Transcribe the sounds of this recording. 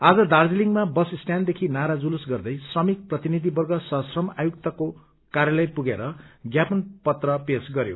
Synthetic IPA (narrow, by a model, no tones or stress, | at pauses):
ad͡zʌd̪ard͡ziliŋmabʌsisʈjand̪ekʰinaɾad͡zulusɡʌrd̪ʌjsrʌmik̚prʌt̪inid̪ʱibʌrɡʌsʌɦʌsrʌmajuk̚t̪ʌko | kaɾjʌlʌjpuɡeɾʌɡjapʌnpʌt̪rʌpesɡʌɾjo̰